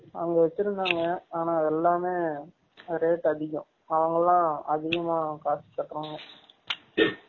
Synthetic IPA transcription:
ɐ̰ŋɡɐʋɛt͡ʃːɪɾɯnd̪aːŋɡɐaːnaːɛlːaːmeː | ɾeːʈɐðɪɣʊ̰̃ | ɐʋɐŋɡɐlãːɐðɪɣɐmaːkaːsipːɐːkːɐɾoːŋɡɐ

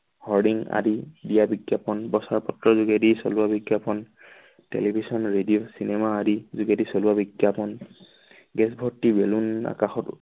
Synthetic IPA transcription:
hɔɹdiŋa̰didijabiɡjapɔnbɔsaɹpɔtɹɔzuɡedisɔ̰luabiɡjapɔn | tḛlibʱisɔnɹediosinɛmaːdizuɡedisɔluabiɡjapɔn | ɡɛsbʱɔɹtːibeluna̰kaxɔt

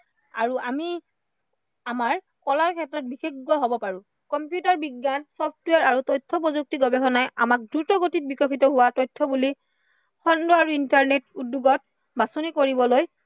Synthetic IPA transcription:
a̰ɹuami | amaɹ | kɔlaɹkʰɛtɹɔt̚bixeɡːɔɦɔbɔpaɹũ | kɔmpjutaɹbiɡːansɔpʰtwaɹaɹutɔjtʰːɔp̬ɔzuk̚tiɡɔbɛxɔnajʔa̰mak̚dɹutɔɡotit̚bikɔkʰitɔɦʊwatɔjtʰːɔbuli | xɔndɔaɹuintaɹnetudːuɡɔt̚ | basɔnikoɹibɔloj

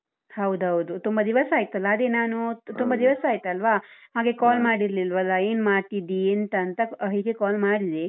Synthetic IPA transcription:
hɐwd̪uɦɐwd̪ut̪umbɐd̪iʋɐsaːjit̪ɐlːɐːd̪eːnaːnut̪umbɐd̪iʋɐsaːjit̪ɐlʋaːhaːɡe̞kaːlmaːɽiɾlilʋɐlːɐeːnmaːʈid̪iɐnt̪ɐːnt̪ɐɦiːɡekaːlmaːɽid̪e

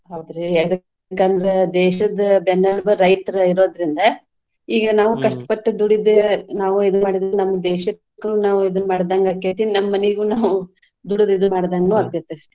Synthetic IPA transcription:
ɦaːd̪ɾeɛd̪ɐkː | ɐkːaːnd̪ɐɾed̪ɛːʃɐd̪ɐbɛnːɐlbɐːɐjʈɐɾiɾo̞ːd̪ɐɾind̪ɐ | iːɡɐnaːʋukɐʂʈɐ̥pɐʈːud̪uɽid̪enaːʋuid̪ɐnmaːɽid̪nɐmːɐd̪ɛːʃɐt̪ː | kːɐluːnaːʋuid̪ɐnːmaːɽd̪aŋɡɐkeːt̪ininɐmɐːɐnɛɡuːnaːʋu | d̪uɽid̪id̪maːɽd̪aːŋɡɐnuːɐd̪jɐt̪ːɐɾ

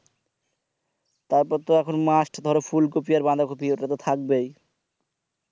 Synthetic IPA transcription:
t̪aɾpɔt̪ːoɛkʰonmasʈʰd̪ʱɔɾfʰulk̬opiaɾband̪ʱakopioʈːat̪ot̪ʰak̚bej

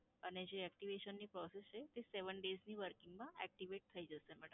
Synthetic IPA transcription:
əned͡ʒeɛkʈiʋeʃənːipɾɔsest͡ʃʰet̪eseʋəɳɖezniʋəɾkĩŋɡmãɛk̚ʈiʋeʈ̚t̪ʰəid͡ʒəʃemɛʈə

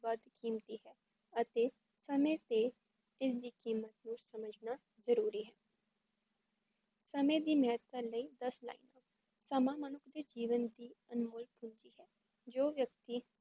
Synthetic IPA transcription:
ʋəd̪kiːmt̪iːɦɛː | ət̪eː | səmẽːt̪eː | ɪsd̪iːkiːmət̪nũːsəməd͡ʒnaː | zəɾuːɾiːɦɛː | səmẽːd̪iːmɛːət̪̚əɾləiːd̪əsla̰ːḭːnaː | səmãːmənʊkʰd̪eːd͡ʒiːʋənd̪iːənmʊːlkɦʊ̃ɲd͡ʒiːɦɛː | d͡ʒoːʋjək̚t̪iː

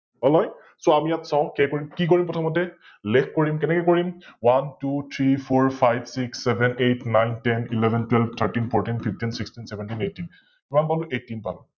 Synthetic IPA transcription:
ɔlɔj | soamijatsãʊ̃kɛkoɹimkik̬oɹimpɔtʰɔmɔtɛ | lɛkʰkoɹimkɛnɛkɛkoɹimwantutʰɹipʰɔɹpʰajbsiksːɛbʱɛnejtnajntɛnilɛbʱɛntwɛlbt̪ʰəɹtinpʰɔɹtinpʰip̚ʰtinsikstinsɛbʱɛntinejtːin | kimanpaluʔetːinpa̰lu

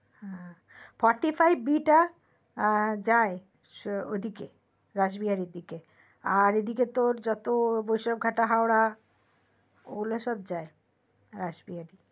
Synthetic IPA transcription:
hɛ̃ | fɔɾʈifʰajbːiʈa | d͡ʑae | od̪ʱike | ɾad͡ʑbiɦaɾiɾd̪ike | aɾed̪ʱiket̪oɾd͡ʑɔt̪obojʃɔb̚ɡʱaʈaɦaoɾa | o̰leʃɔb̚d͡ʑae | ɾad͡ʑbiɦaɾi

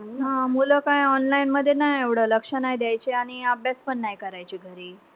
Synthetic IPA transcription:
namuləkajɔnlainməd̪ʱːjenajeʋɽələkʂanajd̪jajt͡ɕeaɽ̃iəbʱjaspəɳːajkəɾajt͡ɕiɡʱəɾiː

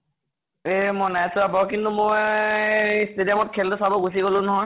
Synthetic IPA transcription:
emɔnajsʊabɔkintumoj | stedijɔmɔt̚kʰɛldʊsabɔɡus̬iɡolʊ̃nɔɦɔj

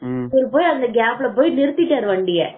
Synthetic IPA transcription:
ɔɾɯpoːjɐnd̪ɐɡaːblɐpoːjinɪɾɯt̪ːɪʈːaːɾɯʋɐːɳɖɪjɐ

